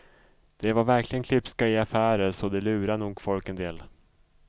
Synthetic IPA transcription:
d̪̥ɛvaɾvæɾkʰlɪɡənkʰlɪpskaɪafæːɾəsɔd̪ɛlʉ̟ːɾanuːɡfɔlkɛnd̪eːl

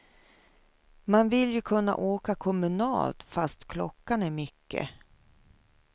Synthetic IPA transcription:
manvɪljɵkʰɵnːa̰ʔoːkakʰɔmɵnɑ̰ːlt̪fast̪kʰlɔkːanæɾmʏkːə̰

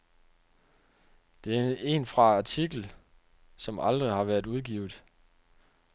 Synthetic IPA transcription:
d̥e̝æe̝nfʁɑ̈ɑt͡sʰiɡ̥l̩ | sɒ̽mɑ̈ld̥ʁihɑ̈ʋæɐðˠuðˠɡ̥ḭːʊðˠ

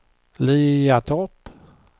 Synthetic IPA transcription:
liːat̪ʰɔp

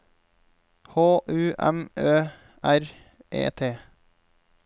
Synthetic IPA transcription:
hoːʔʉːʔɛ̰møː | æɾ | ʔḛːt̪ʰeː

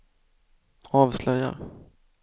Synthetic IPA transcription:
ɑːvslœja̰

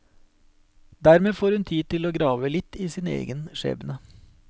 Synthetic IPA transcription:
d̪æɾmeːfoːɾhʉnt̪ʰiːd̪̚t̪ɪloːɡɾɑːʋəlɪt̪ːiːsiːnəḛːɡənʂḛːbənə

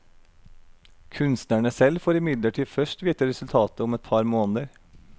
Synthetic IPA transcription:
kʰʉnst̪næɳəsɛlfoːɾɪmɪd̪ləʈʰiːfœʂʈʋiːt̪əɾɛsʉlt̪ʰɑːt̪əʊmɛt̪̚pʰɑɾmoːnəd̪əɾ

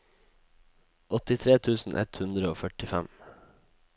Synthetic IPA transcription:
ʔɔt̪ɪt̪ʰɾeːt̪ʰʉːsn̩ʔɛ̰t̪hʉnd̪ɾəoːfœʈɪfæm

